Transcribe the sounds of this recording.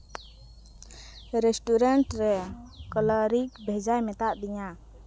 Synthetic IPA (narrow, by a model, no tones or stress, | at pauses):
ɾɛsʈuɾɛɳʈɾɛkɔlɔɾikbʱɛd͡ʒajmɛt̪aʔd̪iɲa